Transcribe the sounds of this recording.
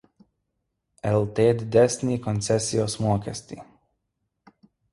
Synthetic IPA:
ɛlˠt̪eːd̪d̪ɛsʲnʲiːkɔnt̪sɛsʲijɔsmuɔkasʲt̪ʲi

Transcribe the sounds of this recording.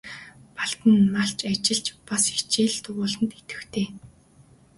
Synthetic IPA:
paɬt̪ə̆nmaɬt͡ɕat͡ɕɪ̆ɮt͡ɕpasixt͡ɕiːɮt̪ɵɣʊːɮə̆nt̪et̪ɘ̆xt̪ʰeː

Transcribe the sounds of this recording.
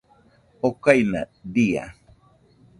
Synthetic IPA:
okajna̰dia̰

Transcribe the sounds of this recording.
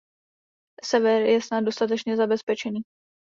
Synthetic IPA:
sɛvɛɾjɛsnad̪do̞st̪at̪̬ɛt͡ʃɲɛzabɛspɛt͡ʃɛniː

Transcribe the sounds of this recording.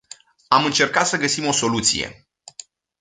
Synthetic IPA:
amɨnt͡ʃe̞rkat̪səɡəsimo̞so̞lut̪sḭje̞̰

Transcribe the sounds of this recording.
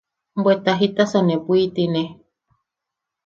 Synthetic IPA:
mbwet̪aɦit̪asanẽpuit̪ine

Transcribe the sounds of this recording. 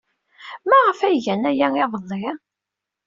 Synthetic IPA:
mæʁəfæʝænæjæeðˤəðˤːi

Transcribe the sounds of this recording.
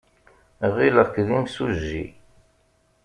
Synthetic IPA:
ʁiləʁkːðimsuʒːḭ

